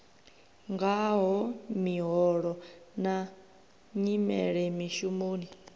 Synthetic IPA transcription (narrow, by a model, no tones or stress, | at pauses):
ŋɡaɦɔmiɦɔɺɔna | ɲimɛ̰ɺɛmiʃumoːni